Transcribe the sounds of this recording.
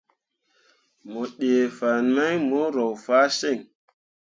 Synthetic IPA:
mo˨ɗe˨fa˨nma˦jmo˦ɾo˨wfa˦se˦˨ŋ

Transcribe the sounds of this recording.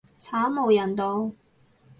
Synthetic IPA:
t͡sʰaː˨˥mo˨wjɐ˨˩nt̪o˨˧w

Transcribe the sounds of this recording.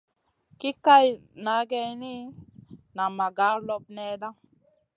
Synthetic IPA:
ki˦ka˦jna˨˦ɡɛ˧ni˦ | na˨ma˨ɡa˨˦lɔ˦b̚nɛ˦da˦

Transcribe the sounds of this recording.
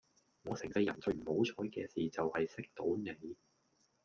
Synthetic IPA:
ŋɔː˨˧sɛ˨˩ŋsɐ˧jɐ˨˩nt͡sɵ˧ɥm̩˨˩ho˨˥wt͡sʰɔː˨˥jkɛː˧siː˨t͡sɐ˨whɐ˨jsɪ˥k̚t̪o˨˥wne˨˧j

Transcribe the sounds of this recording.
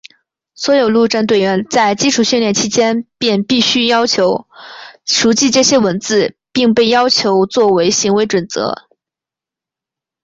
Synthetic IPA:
swɔ˧˥jo˨˩ʊlu˥˧ʈ͡ʂa˥˧nt̪we˥˩ɪɥɛ˧˥nt͡sa˥˩ɪt͡ɕi˥ʈ͡ʂʰu˨˩ɕy˥˧nljɛ˥˩nt͡ɕʰi˥t͡ɕjɛ˥npjɛ˥˧npi˥˩ɕy˥jɑ˥ʊt͡ɕʰjo˧˥ʊ | ʂu˧˥t͡ɕi˥˧ʈ͡ʂɤ˥˩ɕjɛ˥wə˧˥nt͡sɹ̩˥˧ | pi˥˧ŋpe˥˩ɪjɑ˥ʊt͡ɕʰjo˧˥ʊt͡swɔ˥˩we˧˥ɪɕi˧˥ŋwe˧˥ɪʈ͡ʂwə˨˩nt͡sɤ̰˧˥

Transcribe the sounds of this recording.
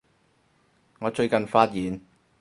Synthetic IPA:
ŋɔː˨˧t͡ʃɵ˧ɥkɐ˨nfaː˧˥t̚jiː˨˧n

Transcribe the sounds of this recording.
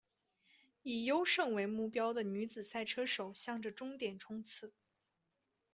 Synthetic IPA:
i˨˩jo˥ʊʂɤ˥˧ŋwe˧˥ɪmu˥˩pjɑ˥ʊd̪ə˨ny˧˥t͡sɹ̩˨˩sa˥˩ɪʈ͡ʂʰɤ˥ʂo˨˩ʊɕjɑ˥˩ŋʈ͡ʂə˩ʈ͡ʂʊ˥ŋt̪jɛ˨˩nʈ͡ʂʰʊ˥ŋt͡sʰɹ̩˥˩

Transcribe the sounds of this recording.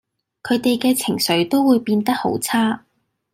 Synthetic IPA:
kʰɵ˨˧ɥt̪e˨jkɛː˧t͡sʰɪ˨˩ŋsɵ˨˥ɥt̪o˥wuː˨˧jpiː˧nt̪ɐ˥k̚ho̰˨˥wt͡sʰaː˥

